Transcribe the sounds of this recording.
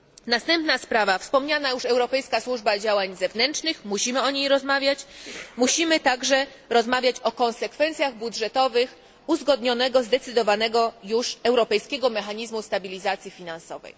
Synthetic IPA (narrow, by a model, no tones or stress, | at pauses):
nast̪ɛmpnaspɾavafspɔmɲanajuʂɛwɾɔpɛjskaswuʐbad͡ʑawaɲzɛvnɛntt͡ʂnɘxmuɕimɘɔɲejɾɔzmavʲjat͡ɕmuɕimɘt̪aɡʐɛ | ɾɔzmavʲjat͡ɕɔkɔ̃nsɛkfɛnt̪sʲjaɣbudʐɛt̪ɔvɘx | uzɡɔd̪ɲɔnɛɡɔzd̪ɛt̪sɘd̪ɔvanɛɡɔjuʂɛwɾɔpɛjskʲɛɡɔmɛxaɲizmust̪abʲilʲizat̪sʲjifʲinansɔvɛ̰j